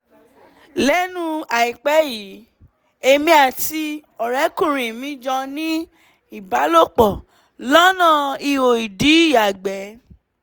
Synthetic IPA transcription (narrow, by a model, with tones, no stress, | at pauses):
lɛ˨˦nũ˦a˨i˨k͡pɛ˨˦ji˨˦ | e˧mĩ˧˦a˨ti˧ɔ˨ɾɛ˨˦kũ˦˨ɾĩ˨mĩ˦d͡ʒɔ̃˧nĩ˦ | i˨ba˨˦lo˦˨k͡pɔ˨ | lɔ˦nã˦˨i˧o˨i˨di˨˦˨ja˨ɡ͡bɛ˨˦